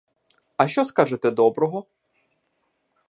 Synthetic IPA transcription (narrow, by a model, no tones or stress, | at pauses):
ɐʃt͡ʃɔskaʒet̪ɛd̪ɔbɾɔɦɔ